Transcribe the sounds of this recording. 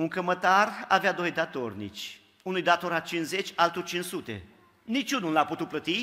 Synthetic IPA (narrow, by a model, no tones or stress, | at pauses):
unkəmət̪ara̰vead̪o̞jd̪at̪o̞rnḭt͡ʃʲ | unujd̪at̪o̞ɾat͡ʃinze̞t͡ʃʲalt̪urt͡ʃinsut̪e̞̰ | nit͡ʃʲunulaput̪ut̪̚plət̪i